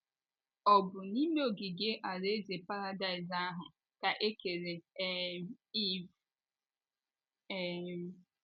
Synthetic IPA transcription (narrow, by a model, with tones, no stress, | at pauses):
ɔ˨bʊ˨ni˦me˦o˨ɡi˨ɡe˦ʔa˨ɾe˦ze˨pa˦ɾa˦da˦ɪ˨za˦ɦʊ˨ | ka˨ʔe˦ke˨ɾe˨˦ | i˦˨v